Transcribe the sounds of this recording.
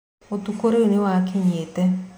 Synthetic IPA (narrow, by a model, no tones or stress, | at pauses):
ot̪ukoɾeunɪwakʰɪɲetɛ